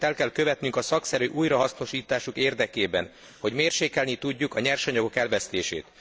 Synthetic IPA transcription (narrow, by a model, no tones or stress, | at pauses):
t̪ɛlkɛlkø̞vɛt̪nyŋkɒsɒksɛɾyːʔuːjɾɒɦɒsno̞ʃiːt̪aːʃukeːrd̪ɛkeːbɛ̰n | ho̞ɟmeːrʃeːkɛlnit̪uɟːukɒɲɛrʃɒɲɒɡo̞kɛlvɛst̪ḛːʃḛːt̪